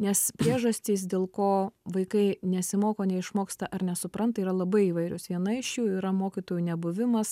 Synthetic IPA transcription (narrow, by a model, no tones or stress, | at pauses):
nʲɛspʲɾʲiɛʒɐsʲt̪ʲiːs̬d̪ʲeːlˠkoːʋɐɪkɐɪnʲɛsʲɪmoːkoːnʲɛɪʃmoːkst̪ɐʔɐɾnʲɛsʊpɾɐnt̪ɐiːɾɐlˠɐbɐɪiːʋɐɪɾʲʊsʋʲiɛnɐɪɪʃjuːiːɾɐmoːkʲiːt̪oːjuːnʲɛbʊʋʲɪmɐs